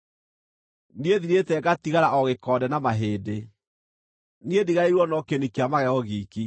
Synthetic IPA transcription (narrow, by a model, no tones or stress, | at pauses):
nieðiɾetɛɡatiɣaɾaʔɔɣekɔdɛnamaɦeːde | nediɣaiɾwɔnɔkenikeamaɣɛɣɔɣiːki